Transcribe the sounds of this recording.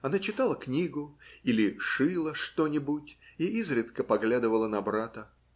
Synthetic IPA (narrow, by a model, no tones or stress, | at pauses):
ɐnat͡ɕɪt̪alˠəknʲiɡʊilʲɪʂɨlˠəʂt̪o̞nʲɪbutʲiizɾʲɪt̪kəpɐɡlʲad̪ɨvəlˠənɐbɾat̪ə